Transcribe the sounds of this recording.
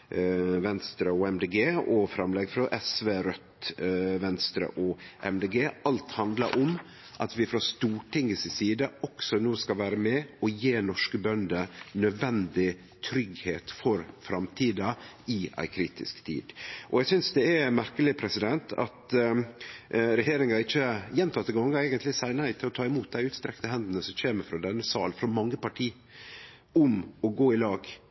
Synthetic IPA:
ʋɛnst̪ɾəɔɛmd̪eːɡeːɔfɾɑmlɛɡfɾɔʔɛsʋeːɾœt̪ʋɛnst̪ɾə̰ʔɔʔɛmd̪eːɡeːɑlt̪hɑnd̪lɑ̰ɾʔɔm | ʔɑt̪ʋɪfɾɑst̪uːʈɪŋːəsɪsiːd̪əɔksɔnoːskɑʋæːɾəmɛɔjeːnɔʂkəbœnd̪ənœd̪ʋɛnd̪ɪ | t̪ʰɾʏɡheːt̪fɔɾfɾɑmt̪ʰiːd̪ɑ | ɪʔæ̰ɪkʰɾiːt̪ɪ̰skt̪ʰḭːd̪ʔɔjæsʏnsd̪ɛæmæɾkəlɪpʰɾɛsɪd̪ɛnt̪ʰɑ̰t̪ | ɾɛheːɾɪŋɑɪçːəjɛnt̪ʰɑt̪ːəɡɑŋːəæɪɡənt̪lɪsæɪnɪt̪ʰɪlɔt̪ʰɑːɪmuːt̪̚d̪æɪʉːt̪st̪ɾɛkt̪əɦɛnd̪ənəsɔmçeːməɾfɾɔd̪ɛnːəsɑ̰ːlnfɾɔmɑŋːəpɑʈʰiː | ʊmɔɡoːɪlɑːɡ

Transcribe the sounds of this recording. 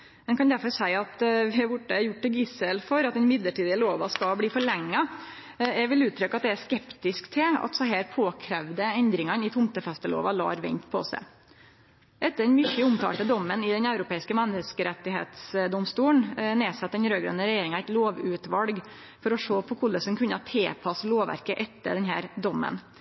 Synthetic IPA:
mɛnkʰɑnd̪æɾfɔɾsæɪɑt̪ʋɪɛɾbʊʈːəæɾjʊʈ̚ːʈ̪ɪlɡɪsəlfɔɾɑt̪̚d̪ɛnɪmɪd̪ləʈiːd̪ɪəloːʋɑskɑbliːfɔɭɛŋːɑ | ɛʋɪlʉːt̪ʰːɾʏkːɑt̪d̪ɛæʂkɛpt̪ɪskt̪ʰɪlɑ̰t̪sɔɦæːɾpʰoːkʰɾɛʋd̪əɛnd̪ɾɪŋɑnɪt̪ʰʊmt̪əfɛst̪əlo̰ːʋɑlɑ̰ːɾʋɛ̰nt̪pʰɔ̰sæ̰ɪ | ʔɛt̪ːəɖɛnmʏçəʊmt̪ʰɑ̰ːlʈ̪əd̪ɔmːənɪd̪ɛnɑʉɾʊpʰeːɪskəmɛnəskəɾɛt̪ːɪɦḛːt̪sd̪ɔmst̪uːəɳneːsɑt̪̚ːd̪ɛnɾøːɡɾœ̰nəɾɛjeːɾɪŋɑæɪt̪loːʋʉːt̪ʋɑlɡ | fɔɾɔʂoːpʰɔkʰʊləsɔnkʰʉnːəɑt̪ʰeːpʰɑsloːʋʋæ̰ɾkəʔɛt̪ːə̰ɖ̪ɛnɦæ̰ːɾd̪ɔmːə̰n

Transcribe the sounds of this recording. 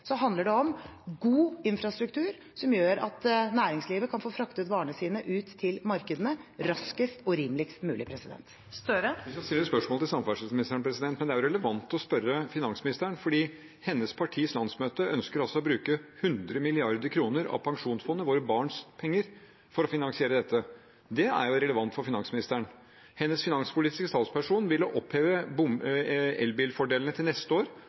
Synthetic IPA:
sɔɦɑnd̪əɖɛɔmɡuːɪnfɾɑst̪ɾʉk̚t̪ʉːɾ | sɔmjøːɾɑ̰t̪næːɾɪŋsliːʋəkʰɑnfoːfɾɑkt̪ʉːt̪bɑːɳəsiːnəʔʉːt̪ʰːɪlmɑɾkəd̪ənəɾɑskəst̪ɔɾiːmlɪkst̪mʉːlɪpʰɾɛsɪd̪ɛ̰nt̪ | st̪œɾəʋɪskɑst̪ɪləɾɛspœʂmoːlt̪ɪlsɑmfæʂəsmɪnɪst̪əɾɳpʰɾɛsɪd̪ɛnt̪̚mɛnd̪ɛæɾɾɛləʋɑnt̪ɔspœɾəfɪnɑnsmɪnɪst̪əəɳfɔɖiː | hɛnːəspʰɑʈʰiːslɑnsmøːt̪əʔœnskəɾɑsɔɔbɾʉːkəhʉnd̪ɾəmɪlɪɑɾd̪əɾkʰɾuːnəɾɑ̰ʋpʰɑŋʂuːnsfɔnːəʋoːɾəbɑːɳspʰɛŋːəɾ | fɔɾɔfɪnɑnsɪeːɾəd̪ɛt̪ːə | d̪ɛæ̰ɾjʊɾɛləʋɑnt̪fɔɾfɪnɑŋsmɪnɪst̪æɳ | hɛnːəsfɪnɑŋspʰʊliːt̪ɪ̥skəst̪ɑːt̪spʰæʂuːnʋɪlːɔʔɔpʰheːʋəbʊmɛ̰lbiːlfɔɖeːlnət̪ʰɪlnɛst̪əoːɾ

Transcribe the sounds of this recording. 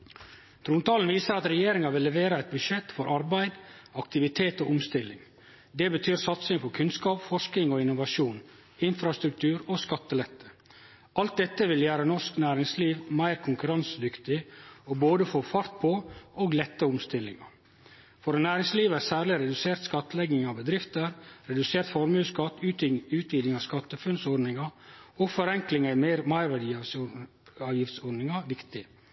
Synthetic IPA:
t̪ʰɾuːnt̪ɑːln̩ʋiːsəɾɑt̪ɾɛjeːɾɪŋɑʋɪlːɛʋeːɾəɛɪt̪̚bʉʂɛt̪ːfɔɾʔɑɾbæɪd̪ɑk̚t̪ɪʋɪt̪ʰeːt̪oːʔʊmst̪ɪlːɪŋ | d̪ɛbət̪ʰyːɾsɑt̪sɪŋfɔɾkʰʉnskɑːpfɔʂknɪŋoɪnːʊʋɑʂuːn | ɪnfɾɑst̪ɾʉk̚t̪ʰʉːɾoːskɑt̪ːəlɛt̪ʰːə̥ | ʔɑlt̪̚d̪ɛt̪ːəʋɪljæːɾənɔʂknæːɾɪŋsliːʋmæɪɾkʰʊŋkʉɾɑnsd̪ʏkt̪ɪɔboːd̪əfɔfɑɾt̪̚pʰoʔoːɡlɛt̪ːəʊmst̪ɪlːɪ̰ŋɑ̰ | fɔɾnæːɾɪŋsliːʋæːɾsæːɾlɪɾɛd̪ʉseːɾt̪skɑt̪ːəlɛɡɪŋɑʋbəd̪ɾɪft̪əɾɾɛd̪ʉseːɾt̪fɔɾmʉskɑt̪ːʉːt̪ʉːt̪ʋiːd̪ɪŋɑskɑt̪ːəfʉnsɔɾnɪŋɑoːɡfɔɾɛŋklɪŋɑɪmeɪɾmæɪɾʋæɖiːɑ | ɑːʋjɪft̪sɔɾɖ̪nɪŋɑʋɪkt̪ɪ

